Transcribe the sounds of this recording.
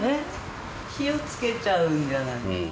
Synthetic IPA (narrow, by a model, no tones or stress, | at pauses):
e | çiot͡sɨ̥ket͡ɕaɯnd͡ʒanai